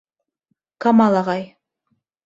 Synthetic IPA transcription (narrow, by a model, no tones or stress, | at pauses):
kamɑlˠɑʁɑj